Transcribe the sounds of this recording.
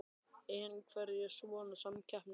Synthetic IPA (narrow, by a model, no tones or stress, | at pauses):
ɛnkʰvɛɾɛsvɔːnasamcʰahpn